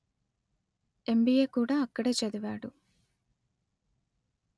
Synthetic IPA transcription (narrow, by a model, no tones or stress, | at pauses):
e̞mbijeːkuːɽaːɐkːɐɽeːt͡ʃɐd̪uʋaːɽu